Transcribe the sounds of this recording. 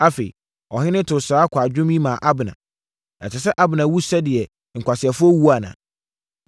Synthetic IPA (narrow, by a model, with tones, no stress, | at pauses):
a˦fe˨i˨ | ɔ˨ɦɪ̃˦nɪ̃˦tʰʊ˨saː˨˦kʰʷa˨d͡ʑᶣʊ̃˦mĩ˦mãː˨ʔa˦bɪ˨nã̰˨ | ɛ̰˨t͡ɕʰɪ˨s̬ɛ˦ʔa˦bɪ˨nã˨wu˦sɛ˦dɪ˨ɛ˨ | ŋ̩˨kʷa˨sɪ˨ɛ˨fʊ˦ɔ˦wu˦a˨nã̰˨